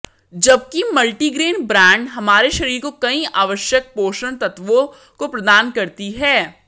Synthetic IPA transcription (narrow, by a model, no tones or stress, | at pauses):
d͡ʒɐb̚kimɐlʈiɡɾeːnbɾãːɳɖɦɐmaːɾeʃɐɾiːɾkokɐĩʔaːʋəʃjək̚poːʃəñt̪ɐt̪ʋõ | kopɾɐd̪aːnkɐɾt̪iɦɛː